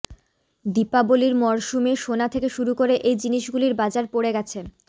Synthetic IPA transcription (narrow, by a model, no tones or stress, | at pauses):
d̪ipaboliɾmɔɾʃumeʃonat̪ʰekeʃuɾukoɾeʔejd͡ʑiniʃɡuliɾbad͡ʑaɾpoɽeɡɛt͡ɕʰe